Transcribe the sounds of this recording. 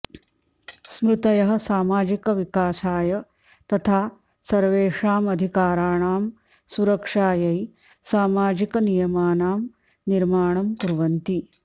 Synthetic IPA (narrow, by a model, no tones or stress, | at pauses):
smɾut̪ɐjɐɦɐ̆saːmaːd͡ʒikɐʋikaːsaːjɐ | t̪ɐt̪ʰaː | sɐɾʋeːʂaːmɐd̪ʱikaːɾaːɳaːm | suɾɐkʂaːjɐj | saːmaːd͡ʒikɐnijɐmaːnaːm | niɾmaːɳɐmkuɾʋɐnt̪i